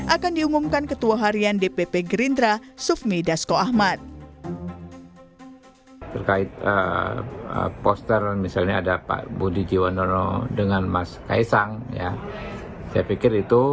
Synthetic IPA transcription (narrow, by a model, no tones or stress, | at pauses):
ʔakandiumumkankət̪uaɦaɾiandepepeɡɾind̪ɾasufmidaskoahmat̪̚ | t̪ərkaɪt̪̚ə̰ | ə̰pɔst̪ərmisalɲaːdapa̰budid͡ʒiwanɔnɔ̰dəŋanmaska̰isaŋja | sajapikɪɾit̪u